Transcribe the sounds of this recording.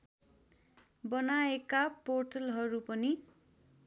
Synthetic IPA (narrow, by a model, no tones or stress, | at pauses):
bʌnaekaporʈʌlɦʌɾupʌni